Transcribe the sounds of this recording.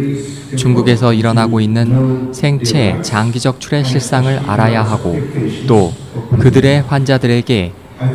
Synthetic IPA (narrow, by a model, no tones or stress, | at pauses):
t͡ɕuŋɡuɡe̞sʰʌiɾʌnaɡoinːɯnsʰe̞ŋt͡ɕʰe̞t͡ɕaŋɡid͡ʑʌk̚t͡ɕʰuɾe̞ɕʰiɭs͈aŋɯɾa̰ɾajaɦaɡot͈o | kɯdɯɾe̞ɸwand͡ʑadɯɾe̞ɡe̞